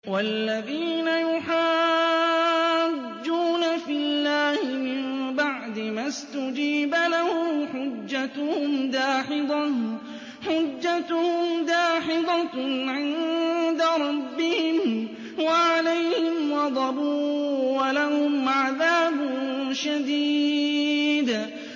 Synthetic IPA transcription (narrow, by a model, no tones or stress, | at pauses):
walːaðiːnajʊħaː | d͡ʒːuːnafɪlːaːhɪmɪmbaʕd̪ɪmast̪ʊd͡ʒiːbalahʊħʊd͡ʒːat̪ʊhʊmd̪aːħɪd̪ˤɑ | ħʊd͡ʒːat̪ʊhʊmd̪aːħɪd̪ˤɑʕɪnd̪aɾˤɑbːɪhɪm | waʕalajhhɪmwɑd̪ˤɑbuːwalahʊmʕaðaːbʊnʃad̪iː | d̪